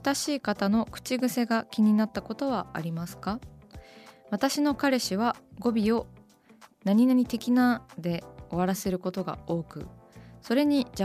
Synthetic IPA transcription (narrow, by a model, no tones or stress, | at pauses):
t̪aɕiːkat̪ano̞kɯ̟̥t͡ɕiɡɯ̟se̞ɡakʲiɲ̟inat̪ːako̞t̪o̞β̞aa̰ɾʲimasɨ̥ka | βat̪aɕino̞kaɾe̞ɕiβ̞aɡo̞bʲio̞ | naɲ̟inaɲ̟it̪e̞kʲinad̪e̞o̞βaɾase̞ɾɯ̟ko̞t̪o̞ɡa̰o̞ːkɯ̟̰so̞ɾe̞ɲ̟id͡ʑa